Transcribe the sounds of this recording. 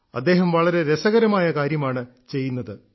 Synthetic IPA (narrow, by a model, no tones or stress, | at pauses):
ɐd̪ːe̞ːɦɐmʋɐɭɐɾe̞ɾesɐɣɐɾɐmaːjɐkaːɾjɐmaːɳɨ | t͡ɕe̞jːunːɐðɨ